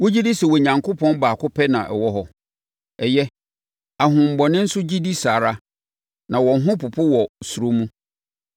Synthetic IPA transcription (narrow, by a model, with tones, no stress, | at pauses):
wo˦d͡ʑi˦di˦sɛ˨wɔ˨ɲã˨ŋkʊ˦pʰɔ̃˦nbaː˨kʰʊ˦pʰɛ˦nã̰˨ʔɛ̰˨wɔ˦ɦɔ˦ | ɛ˨jɛ˦ | a˨ɦʊ̃˨m̩˨bɔ˨nɪ̃˦n̩˦sʊ˦d͡ʑi˦di˦saː˨ɾa˦ | nã˨wɔ̃˨n˦ɦʊ̃˦pʊ˨pʰʊ˦wɔ˨su˨ɾo˦mũ˦